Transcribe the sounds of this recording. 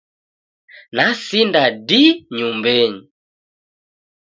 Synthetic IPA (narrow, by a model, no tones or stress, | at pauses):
nasindadiɲumbɛɲi